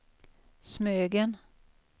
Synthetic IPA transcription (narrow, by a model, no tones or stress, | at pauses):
smøːɡən